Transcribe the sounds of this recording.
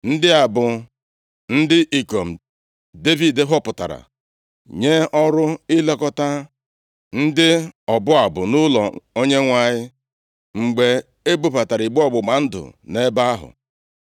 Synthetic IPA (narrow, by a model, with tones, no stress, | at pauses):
n̩˦dɪ˦a˨bʊ˨ | n̩˦dɪ˦ʔi˨ko˨m̩˨ | de˦vi˨dɪ˦ɦʊ˦pʊ˨ta̰˨ɾa̰˨ | ɲe˦ɔ˦ɾʊ˦ɪ˦le˦kɔ˦ta˦ | n̩˦dɪ˦ɔ˨bʊ˦a˨bʊ˨nʊ˦lɔ˨o˦ɲe˦ŋʷa˨ɲɪ˦ | ŋ͡m̩˨ɡ͡be˨ | e˦bu˦pa˨ta˨ɾi˨ɡ͡be˦ɔ˦ɡ͡bʊ˨ma˨n̩˦dʊ̰˨ne˦ba˦a˦ɦʊ̰˨